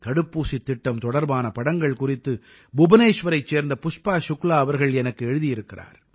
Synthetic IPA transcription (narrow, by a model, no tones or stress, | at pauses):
kɐɽɯpːuːsit̪ːɪʈːɐmt̪ɔɽɐɾbaːnɐpɐɽɐŋɡɐɭkʊrɪt̪ːɯ | bʊbɐneːʂʋɐɾɐɪt͡ʃːeːɾnd̪ɐpʊʂpaːʃʊklaːɐʋɐɾɣɐɭɛnɐkːɯɛɻɯðɪjɪɾɯkːɪra̰ːɾ